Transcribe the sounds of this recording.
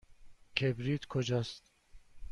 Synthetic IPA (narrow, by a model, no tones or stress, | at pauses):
kʰebɾit̪kʰod͡ʒast̪